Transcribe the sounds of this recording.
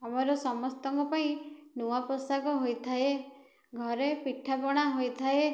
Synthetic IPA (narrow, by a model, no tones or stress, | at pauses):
amɔɾɔsɔmɔst̪ɔŋkɔpaĩnuapɔsakɔɦojt̪ʰae | ɡʱɔɾepiʈʰːapɔɽ̃aɦojt̪ʰae